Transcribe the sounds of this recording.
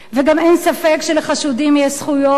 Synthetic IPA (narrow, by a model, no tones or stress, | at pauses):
veɡamensafekʃeleχaʃudimjɛʃsχujo